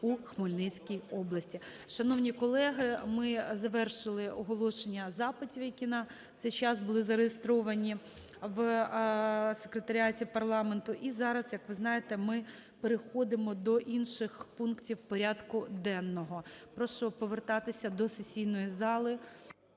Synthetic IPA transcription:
uxmɔlʲnɪt͡sʲkʲijɔblˠɐsʲtʲi | ʃɐnɔwnʲikɔlˠɛɦɪmɪzɐʋɛrʃɪlˠɪɔɦɔlˠɔʃenʲːɐzɑpɪtʲiʋɐkʲinɑ | t̪sɛjt͡ʃɑsbʊlˠɪzɐɾejɪst̪ɾɔʋɐnʲi | ʋ | sekɾet̪ɐɾʲatʲipɐrlˠɑment̪ʊʔizɑɾɐzjɐkʋɪznɑjet̪ɛmɪ | peɾexɔd̪ɪmɔd̪ɔʔinʃɪxpunktʲiwpɔɾʲɑd̪kʊd̪ɛnːɔɦɔpɾɔʃɔpɔʋert̪ɑt̪ɪsʲɐd̪ɔsesʲijnɔjizɑlˠɪ

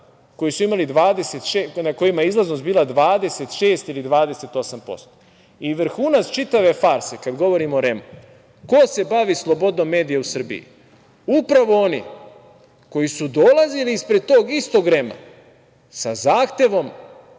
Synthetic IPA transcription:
ko̞jisuimalid̪ʋaːd̪e̞se̞t̪ʃenako̞jimajeizlˠaznost̪biːlˠad̪ʋaːd̪e̞se̞t̪ʃe̞ːst̪ilid̪ʋaːd̪e̞se̞t̪o̞sampo̞̰st̪o | iʋr̩xuːnatst͡ʃit̪aʋe̞faɾse̞kad̪ɡo̞ʋo̞ɾimoɾe̞mu | ko̞se̞baʋislˠo̞bo̞d̪no̞mːe̞ːd̪ijausr̩bḭḭ | upɾaʋo̞onḭ | ko̞jisud̪o̞lˠaziliispɾed̪̚t̪o̞ːɡist̪o̞ɡɾe̞ma̰ | sazaːxt̪e̞ʋo̞m

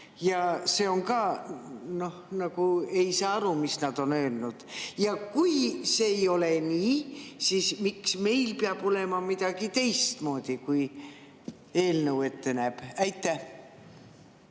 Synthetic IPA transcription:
jɑse̞o̞ŋkɑːno̞hnɑɡ̥ue̞jsɑːɑɾumisnɑd̪̥o̞nøːlnud̪̥jɑkujsejo̞le̞niːsismiksme̞jlpeɑb̥o̞le̞mɑmid̪̥ɑɡ̥it̪e̞jst̪mo̞ːd̪̥ʲikuj | e̞ːlnəwe̞t̪ːe̞næːb̥æjt̪ːˑæh

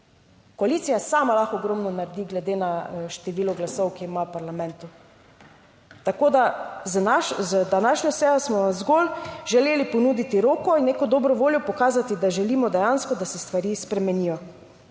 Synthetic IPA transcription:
kɔaliːt̪sijasaːmalaxɔɡɾɔmnɔnaɾd̪iɡlɛd̪enaʃt̪ɛʋiːlɔɡlasɔwkiimawpaɾlamɛ̃nt̪u | t̪akoːd̪aznaʃzd̪anaʃnɲɔsɛːjɔsmɔʋamzɡolʒɛleːlipɔnuːd̪it̪iɾoːkɔinːeːkɔd̪ɔːbɾɔʋoːljɔpɔkaːzat̪id̪aʒɛliːmɔd̪ɛjanskɔd̪asɛst̪ʋaɾiːspɾɛmɛniːjɔ

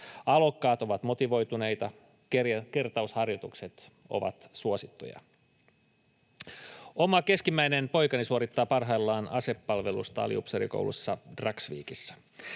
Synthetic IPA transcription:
ɑlo̞kːɑːt̪o̞ʋɑt̪mo̞t̪iʋo̞jt̪une̞jt̪ɑ | kekert̪ɑushɑrjot̪ukset̪ | o̞̰ʋɑ̰t̪suosit̪ːo̰jɑ̰ | o̞mɑke̞skimːæjne̞npo̞jkɑnisuoɾit̪ːɑːpɑrɦɑjlːɑːnʔɑse̞pːɑlʋe̞lṵst̪ɑɑ̰lḭṵpseɾḭko̰wlṵsːɑd̥rɑksʋḭːkisːæ̥

